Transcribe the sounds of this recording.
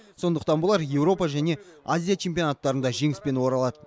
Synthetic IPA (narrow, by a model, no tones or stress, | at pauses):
so̞nd̪əqt̪ɑnbʊlˠɑɾje̞wɾo̞pɑʒæne̞ | azʲijat͡ʃʰe̞mpʲijo̞nat̪ːɑɾənd̪ɑʒe̞ŋɪspe̞nwo̞ɾɑlˠɑd̪ə